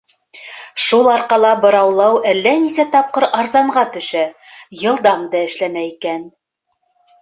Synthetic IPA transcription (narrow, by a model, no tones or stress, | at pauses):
ʃulˠɑɾqɑlˠɑbɤ̆ɾɑwlˠɑwælːænisæt̪ɑp̚qɤɾɑɾzɑɴɢɑt̪ɵ̆ʃæjɤ̆lˠd̪ɑmd̪ɑɘ̆ʃlænæikæn